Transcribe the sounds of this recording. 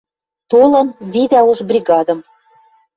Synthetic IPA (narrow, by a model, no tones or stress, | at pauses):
t̪olɤ̆nβid̪æoʒbrʲiɣɑd̪ə̆m